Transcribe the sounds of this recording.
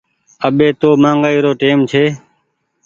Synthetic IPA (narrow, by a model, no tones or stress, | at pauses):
əɓeːt̪oːmaːŋɡaːiːɾoːʈeːmt͡ʃʰeː